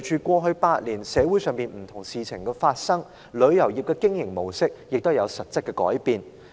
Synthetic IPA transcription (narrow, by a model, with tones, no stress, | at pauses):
t͡ʃʰyː˨kʷɔː˧ɦɵ˧ɥpaː˧t̚liː˨˩nsɛː˨˥wuː˨˥jsœː˨˧ŋpiː˨nm̩˨˩t̪ʰʊ˨˩ŋsiː˨˧t͡sʰɪ˨˩ŋkɛː˧faː˧t̚sɐ˥ŋ | lɵ˨˧ɥjɐ˨˩wjiː˨p̚kɛː˧kɪ˥ŋjɪ˨˩ŋmo˨˩wsɪ˥k̚jɪ˨k̚t̪o˥wjɐ˨˧wsɐ˨t̚t͡sɐ˥t̚kːɛ˧kɔ̰ː˨˥jpiː˨˧n